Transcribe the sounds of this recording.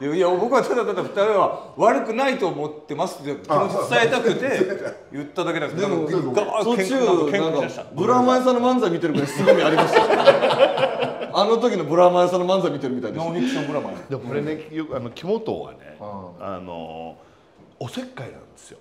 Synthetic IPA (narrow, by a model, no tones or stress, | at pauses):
aijabo̞kɯ̟βat͡ɕad̪at̪ad̪aɸɯ̟̥t̪aɾeβaβaɾɯ̟kɯ̟nait̪o̞ːmo̞t̪ːe̞masɨ̥okonoaet̪akɯ̟t̪e̞jɯ̟t̪ːad̪ake̞d̪ad̪emoɡasot͡ɕːiɯẽnãŋkabɯ̟ɾamaesãnomãñzamʲit̪e̞ɾɯ̟kaesɨɡɲʲiaɾʲimas | ano̞t̪̬o̞kʲinobɯ̟ɾamajesãnːomãnzamʲit̪e̞ɾɯmʲit̪aid̪ensoeki̥ɕombɯ̟ɾamad̪emokoɾenejokanokʲimot̪o̰βa̰nḛa̰no̰ | ose̞kːainã̰nd̪e̞sɨjo